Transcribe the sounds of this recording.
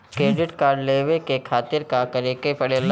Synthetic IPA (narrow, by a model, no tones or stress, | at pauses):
kɾeːɖɪʈkaːɾɖleːʋekekʰaːt̪ɪɾkakɐɾeːkepɐɽeːl